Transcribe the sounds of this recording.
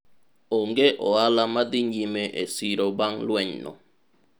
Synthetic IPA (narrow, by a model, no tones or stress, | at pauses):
oŋɡeʔoalamad̪iɲimeʔḛsiɾobaŋlweɲno̰